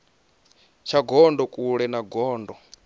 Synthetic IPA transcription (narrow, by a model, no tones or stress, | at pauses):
t͡ʃʰaɡɔndɔkʼuɺɛnaɡɔːndɔ